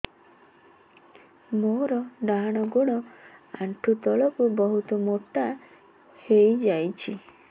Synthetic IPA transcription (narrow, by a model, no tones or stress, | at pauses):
moɾɔɖaɽ̃ɔɡoɽ̃ɔa̰ɳʈʰut̪ɔɭɔkubɔɦut̪ɔmoʈa | hejd͡ʒajt͡ʃʰi